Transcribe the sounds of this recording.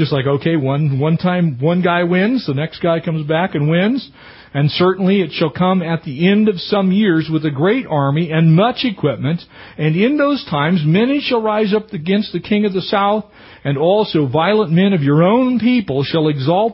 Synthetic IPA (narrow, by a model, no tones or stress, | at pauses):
d͡ʒ̥ʌstlaɪkoʊkʰeɪwʌ̃nwʌ̃ntʰãɪ̃mwʌ̃nɡaɪwɪ̃nzðɨnɛksɡ̥aɪkʰʌ̃mzbækɨ̃nwɪ̃nz | ɨ̃nsɜ˞ʔn̩liɨtʃəlˠkʰʌ̃mɨt̪̚ðiɛ̃ndʌv̥sʌ̃mjɪɹzwɨðɨɡɹeɪɾɑɹmiɨ̃nmʌt͡ʃɨkʰw̥ɪp̚mɨ̃ntɨ̃nɪ̃nðoʊz̥tʰãɪ̃mzmɛniʃəl̩ˠɹaɪzʌpɨɡɛ̃nst̪̚ðɨkʰɪ̃ŋʌvðɨsaʊθ | ɨ̃nɔlˠsoʊvaɪlˠə̃nmɛ̃nʌvjə˞õʊ̃npipl̩ˠʃəlˠɨɡzɔlˠt